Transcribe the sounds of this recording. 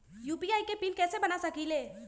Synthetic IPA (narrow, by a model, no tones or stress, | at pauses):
juːpiaːikepiːnkɛːsebɐnasɐkileː